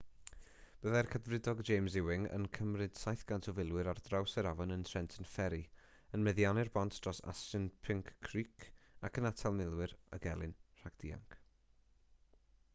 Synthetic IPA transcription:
b̥əðarkʰədrɪdɔɡd͡ʒejmzɪwɪŋə̰nkʰəmrɨd̥sajθɡ̥antʰɔvɪlˠwɪɾardrawsəɾavɔnəntʰrɛntʰənfɛɾi | ənmɛðjanɪrbɔntʰd̥rɔsa̰stɨnpʰɪŋkʰːriːkʰakʰənatʰalˠmɪlˠwɪɾə̰ɡɛlˠɪnr̥aɡ̚d̥iːa̰ŋk

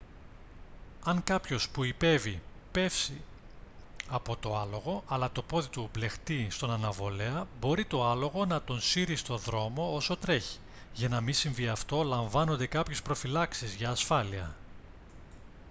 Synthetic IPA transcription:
ɐŋkɐpço̞spuipe̞vi | pe̞fsi | ɐpo̞t̪o̞ɐlo̞ɣo̞ʔɐlɐt̪o̞po̞ðit̪uble̞xt̪ist̪o̞nɐnɐvo̞le̞ɐbo̞ɾit̪o̞ɐlo̞ɣo̞nɐt̪o̞nsiɾist̪o̞ðɾo̞mo̞oso̞t̪ɾe̞çi̥ | ʝɐnɐmisiɱviɐft̪o̞lɐɱvɐno̞nd̪e̞kɐpçe̞spɾo̞filɐksizʝɐːsfɐliɐ̰

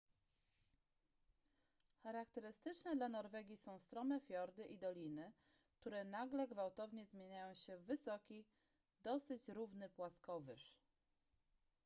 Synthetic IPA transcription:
xaɾakt̪ɛɾɘst̪ɘt͡ʂnɛd̪lanɔɾvɛɡʲisɔ̃w̃st̪ɾɔmɛfʲjɔɾd̪ɘʔid̪ɔlʲinɘ | k̚t̪uɾɛnaɡlɛɡvawt̪ɔvɲɛzmʲjeɲajɔ̃w̃ɕɛvɘsɔkʲi | d̪ɔsɘt͡ɕɾuvnɘpwaskɔvɘʂ

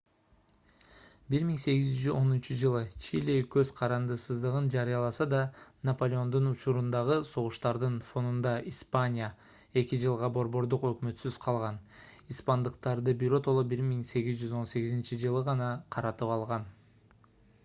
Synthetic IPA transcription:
biɾmiŋse̞ɡizd͡ʒyzo̞nynt͡ʃud͡ʒɯlˠɯt͡ʃʰilʲikøzqʰɑɾɑnd̪ɯsɯzd̪ɯʁɯnd͡ʒɑɾɨjɑlˠɑsɑd̪ɑnɐpo̞lʲeo̞nd̪unut͡ʃuɾund̪ɑʁɯso̞ʁuʃt̪ɑɾd̪ɯnfo̞nund̪ɑʔispanʲija | e̞kid͡ʒɯlˠʁɑbo̞ɾbo̞ɾd̪uqø̞kmø̞t̪syz̥qʰɑlˠʁɑn | ispɑnd̪ɯqt̪ɑɾd̪ɯbiɾo̞t̪o̞lˠobiɾmiŋse̞ɡizd͡ʒyzo̞nse̞ɡizint͡ʃid͡ʒɯlˠɯʁɑnɑqʰɑɾɑt̪ɯpɑlˠʁɑn

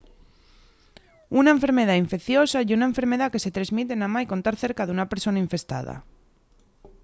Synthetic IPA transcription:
unaeɱfe̞ɾmeð̞aiɱfekθjosaiunaeɱfe̞ɾmeðake̞set̪ɾazmit̪̬enamajko̞nt̪aɾθeɾkaðeunapeɾso̞naiɱfe̞st̪a̰ða̰

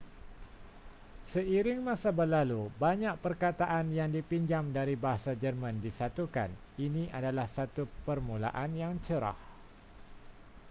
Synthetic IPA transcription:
səiɾɪŋmãsabərlalubaɲãʔ̚pərkat̪aʔanjaŋdipiɲd͡ʒamdaɾibaɦasad͡ʒərmãndisat̪uka̰n | inĩʔadalahsat̪upərmũla̰ʔanjaŋt͡ʃəɾa̰h

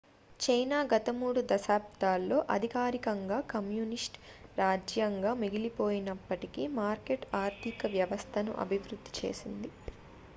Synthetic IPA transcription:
t͡ʃɐjnaːɡɐt̪ɐmuːɽud̪ɐʃaːp̚t̪aːlːo̞ːʔɐd̪ʱikaːɾikɐŋɡaːkɐmjuːnisʈ | ɾaːd͡ʒjɐŋɡaːmiɡilipo̞ːjinɐpːɐʈikiːmaːɾkeʈaːɾt̪ʰikɐʋjɐʋɐst̪ʰɐnṵʔɐ̰bʱiʋɾud̪ʱːi̥t͡ʃe̞̰ːsind̪i

